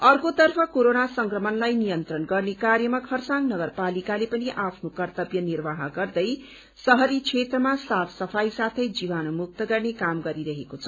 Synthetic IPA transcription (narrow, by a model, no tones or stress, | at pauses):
ʌrkot̪ʌrpʰʌkoɾonasʌŋkrʌmʌnlajnijʌnt̪rʌnɡʌrnekarjʌmakʰʌrsaŋnʌɡʌrpalikalepʌniʔapʰnokʌrt̪ʌbjʌnirbaɦʌɡʌrd̪ʌj | sʌɦʌɾit͡sʰet̪rʌmasapʰsʌpʰajsat̪ʰʌjd͡ziβanomuk̚t̪ʌɡʌrnekamɡʌɾiɾʌɦekot͡sʰʌ̥